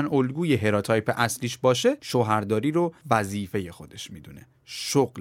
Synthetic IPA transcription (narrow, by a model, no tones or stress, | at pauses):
nolɡuːjeɦe̞ɾɒt̪ʰɒːjpʰeʔæsliːʃbɒːʃe̞ʃoɦæɾd̪ɒːɾiːɾovæziːfe̞je̞xo̞d̪e̞ʃmiːd̪une̞̰ | ʃoɣl